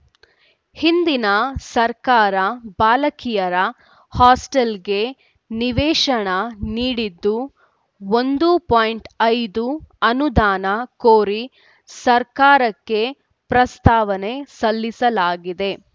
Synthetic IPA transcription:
hind̪inɐsɐɾkaːɾɐbaːlɐkijɐɾɐ | haːsʈelɡe̞ | niʋɛːʂɐɳɐniːɽid̪ːu | ond̪upoːjɳʈɐjd̪uɐnud̪aːnɐkoːɾi | sɐɾkaːɾɐkːe̞ | pɾɐst̪aːʋɐne̞sɐlːisɐlaːɡid̪e̞

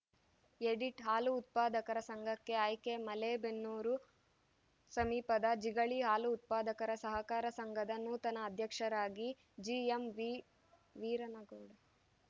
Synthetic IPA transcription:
eɖiʈɦaːluːt̪̚paːd̪ɐkɐɾɐsɐŋɡʱɐkːe̞ɐjkemɐlebenːuːɾu | sɐmiːpɐd̪ɐd͡ʒiɡɐɭiɦaːluːt̪̚paːd̪ɐkɐɾɐsɐɦɐkaːɾɐsɐŋɡʱɐd̪ɐnuːt̪ɐnɐːd̪ʱjɐkʂɐɾaːɡi | d͡ʒiemʋi | ʋiːɾɐnɐɡoːɽɐ

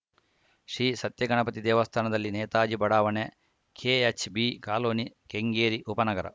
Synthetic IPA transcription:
ʃɾiːsɐt̪jɐɡɐɳɐpɐt̪id̪ɛːʋɐst̪ʰaːnɐd̪ɐlːineːt̪aːd͡ʒibɐɽaːʋɐne | kʰeːet͡ʃʰbikaːloːnikeŋɡeːɾiʔupɐnɐɡɐɾɐ̰

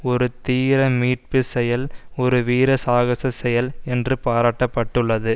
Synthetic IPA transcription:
ɔɾɯt̪iːɾɐmiːʈ̚pɯsɛjɐlɔɾɯʋiːɾɐsaːɣɐsɐsɛjɐlɛndrɯpaːɾaːʈːɐpːɐʈːɯɭːɐðɯ

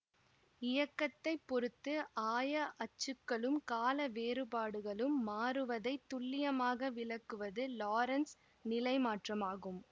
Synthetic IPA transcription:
ɪjɐkːɐt̪ːɐɪpːɔɾɯt̪ːɯʔaːjɐʔɐt͡ʃːɯkːɐɭɯmkaːlɐʋeːɾɯpaːɽɯɣɐɭɯmːaːrɯʋɐðɐɪt̪ːʊɭːɪjɐmaːɣɐʋɪɭɐkːɯʋɐðɯlaːɾɐns | nɪlɐɪmaːʈrɐmaːɣɯm

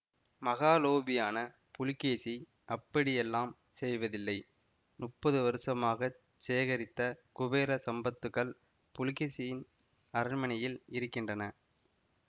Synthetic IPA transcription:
mɐɣaːloːbɪjaːnɐ | pʊlɪkːeːsi | ʔɐpːɐɽɪjɛlːaːm | sɛjʋɐðɪlːɐɪ | nʊʈpːɐðɯʋɐɾɯsɐmaːɣɐ | t͡ʃeːɐɣɐɾɪt̪ːɐkʊʋeːɾɐsɐmbɐt̪ːɯkːɐɭ | pʊlɪkeːsɪjɪn | ɐɾɪmɐnɐjɪlɪɾɯkːɪndrɐnɐ

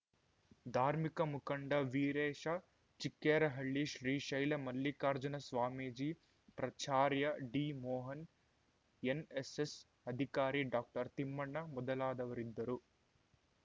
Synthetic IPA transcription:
d̪ʱaːɾmikɐmukɐɳɖɐʋiːɾeːʃɐ | t͡ʃikːɛːɾɐɦɐɭːiʃɾiːʃɐjlɐmɐlːikaːɾd͡ʒɐnɐsʋaːmiːd͡ʒi | pɾɐt͡ʃaːɾjɐɖiːmɔːɦɐn | eneses | ɐd̪ʱikaːɾiɖaːk̚ʈɐɾt̪imːɐɳːɐmɔd̪ɐlaːd̪ɐʋɐɾid̪ːɐɾu

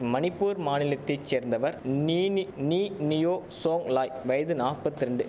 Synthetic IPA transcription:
mɐnɪpːuːɾmaːnɪlɐt̪ːɐɪt͡ʃːeːɾnd̪ɐʋɐɾniːnniːnɪjoːsoːŋlaːjʋɐjɐðɯnaːpɐt̪ːɪɾɐɳɖɯ

